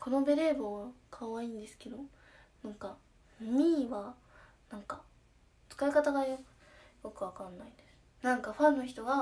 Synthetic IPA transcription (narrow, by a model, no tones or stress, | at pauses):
ko̞no̞be̞ɾe̞ːboβkʰaβaĩːnd̪e̞sɨ̥ke̞d̪o̞ | nãŋka | ɲʲiːβa | nãŋka | t͡sɨ̥kaikat̪aɡaokɯ̥ | jo̞kɯ̟βakãnːaid̪e̞sɨ̥nãŋkaɸãnːo̞çi̥t̪o̞ɡa